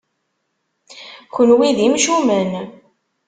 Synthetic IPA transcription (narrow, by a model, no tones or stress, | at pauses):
çənwiðimʃumən